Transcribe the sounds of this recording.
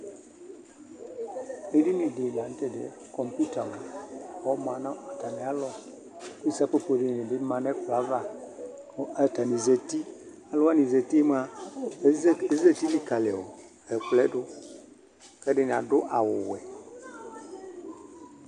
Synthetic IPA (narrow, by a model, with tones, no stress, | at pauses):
e˦di˦nĩ˨dɪ˨n˨a˨n˦t̪e˦dɪ̰˨ | kɔ˨mpu˦ta˨m˨ɔ˦mã˨nã˦ɔ˨ta˨nɛ̃˨a˨˦lɔ˦ | ku˦i˦sa˦k͡pe˦po˨dɪ˦n˨nɪ̃˨dɪ˦mã˨nɛ˦k͡pla˨˦va˦ | a˨ta˨nĩ˨ze˨ti˦ | a˨lɔ˦a˦nĩ˨ze˨t̪i˦m˦a˦ | ze˦t̪i˦li˨ka˨lɪ˨wɔ˨ | ɛ˨k͡plɛ˦dʊ˦ | kɛ˦ɖɪ˦n˨a̰˨dʊ˦ʔa˨wʊ˨wɛ̰˨